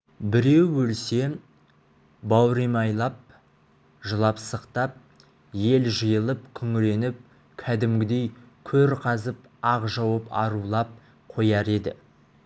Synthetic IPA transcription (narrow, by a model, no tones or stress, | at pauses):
bɪɾe̞wwɵlse̞ | bɑwɾemɑjlˠɑp̚ | ʒəlˠɑpsəqt̪ɑp̚ | je̞lʒəjəlˠəpkʲʰʏŋɾe̞nɪp̚ | kʲʰæd̪ɪmɡʲɪd̪e̞jkʲʰɵɾqʰɑzəp | ɑqʒɑwəpɑ̰ɾulˠɑp̚ | qʰo̞jɑɾe̞d̪ɪ̰